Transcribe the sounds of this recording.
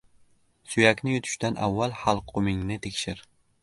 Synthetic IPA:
sʊjakʲnɪjʊt̪ʰʊ̥ʃt̪anʔavːalˠhalˠqʰomɪŋnɪt̪ʰekʲʃɪɾ

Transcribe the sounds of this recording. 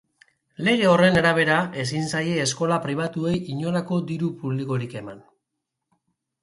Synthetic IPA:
le̞ɣe̞o̞re̞naɾaβ̞e̞ɾae̞s̬insaje̞ːsko̞lapɾiβ̞at̪ue̞jʔiɲo̞lako̞d̪iɾupuβliko̞ɾike̞man

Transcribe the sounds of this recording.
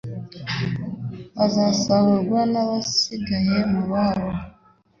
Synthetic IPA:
βazasaβuɡwanaβasiɡajemuβaβɔ

